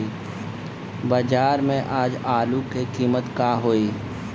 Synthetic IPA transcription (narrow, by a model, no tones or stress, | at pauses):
bəd͡ʒaːɾmẽʔaːd͡ʒaːlukekiːmət̪kaːɦoːiː